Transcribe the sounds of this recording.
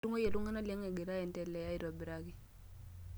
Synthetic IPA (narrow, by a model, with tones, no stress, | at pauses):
u˦ŋo˦je˨lu˦ŋa˦na˦li˦ɛ˦ŋɛ˨ɡe˨ɾa˦jɛ˨ntɛ˦lɛ˨ja˦i˨ɾɔ˨bi˨ɾa˦ki˦